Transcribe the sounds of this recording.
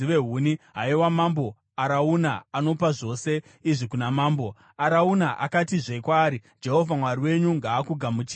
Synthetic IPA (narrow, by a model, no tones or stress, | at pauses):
iʋeɦuːniɦaiwamambo̞ | aɾauna̰ano̞paʐo̞se̞ | iʐikunamaːmbo̞ | aɾaunaʔa̰katiʐeikwaːɾi | d͡ʒe̞ɦo̞vʱamwaɾiwe̞ɲuŋɡaːkuɡʱamut͡ʃi̥